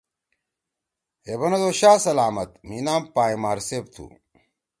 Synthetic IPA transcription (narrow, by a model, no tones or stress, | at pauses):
ebɐnɐd̪oːɕaːsɐlaːmɐt̪miːnaːmpaːimaːɾseːp̚t̪ʰṵ